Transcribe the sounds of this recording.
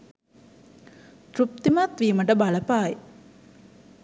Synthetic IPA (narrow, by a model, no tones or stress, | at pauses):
t̪ɾup̚t̪imat̪ʋiːməʈəbaləpaːj